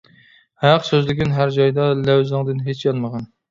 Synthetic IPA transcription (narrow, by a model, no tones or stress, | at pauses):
hæqsøzlɪkʲɪnɦæɾd͡ʒɑjd̪ɑlæwzɨŋd̪ɨnɦet͡ʃʰjɑlˠməʁɑn